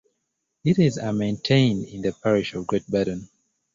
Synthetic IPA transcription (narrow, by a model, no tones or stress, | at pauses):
iɾizamẽntʰẽɪ̃ndĩnðəpʰɛɹiʃɔvɡɹet̚bɛɾə̃n